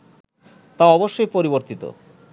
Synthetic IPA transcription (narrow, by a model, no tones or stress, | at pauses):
t̪aɔboʃːojpoɾiboɾt̪it̪o̰